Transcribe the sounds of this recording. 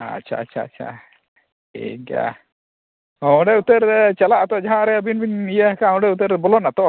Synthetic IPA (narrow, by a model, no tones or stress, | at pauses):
a̰ʃʰa̰att͡ʃʰaa̰t͡ʃʰa̰ | ḭɡa̰ | aw̃ɖɛut̪əɾt͡ʃalaʔat̪ɔʔd͡ʒaɦãɾɛəbinbinijakaãw̃ɖɛut̪əɾbɔlɔnat̪ɔ